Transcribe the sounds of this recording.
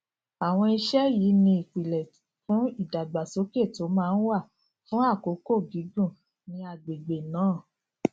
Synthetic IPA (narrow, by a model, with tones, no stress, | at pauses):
a˨w̃ɔ̃˧i˧ʃɛ˦ji˨˦nĩ˧i˨k͡pi˨lɛ˨fũ˨˦i˦˨da˨ɡ͡ba˨so˨˦ke˦˨to˨˦mãː˦˧n̩˦wa˦˨ | fũ˦a˦˨ko˨˦ko˦˨ɡi˨˦ɡũ˦˨ | nĩ˧a˨ɡ͡be˨ɡ͡be˨nãː˨˦˨